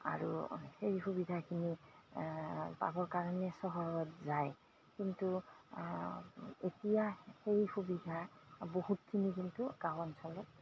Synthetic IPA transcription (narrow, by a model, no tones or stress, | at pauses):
a̰ɹṵxeɹixubidʱakʰini | pa̰bɔɹkaɹɔnɛsɔɦɔɹɔtzaj | kintu | etijaxeɹixubidʱabohutkʰːinikintukawɔnsɔlɔt